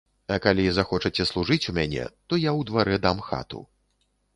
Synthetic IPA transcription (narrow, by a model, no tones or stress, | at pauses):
ɐkalʲizaxɔt͡ʂɐt͡sʲɛslˠuʐɨt͡sʲumʲanʲɛ̰t̪ɔjawd̪vaɾɛd̪amxa̰t̪ṵ